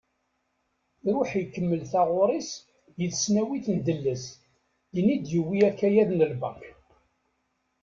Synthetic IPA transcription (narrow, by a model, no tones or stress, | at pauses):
ɾˤʊħjkːəmːəlθɑʁʊɾˤis | jəðsnæwiθnd̪əlːəs | jənid̪jəwːiækːæjæðnəlbɑ